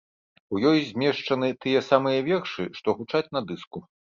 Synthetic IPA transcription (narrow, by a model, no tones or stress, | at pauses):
ujɔjzʲmʲɛʂt͡ʂɐnɨt̪ɨjɛsamɨjɐvʲɛrʂɨʂt̪ɔɣut͡ʂat͡sʲnɐd̪ɨsku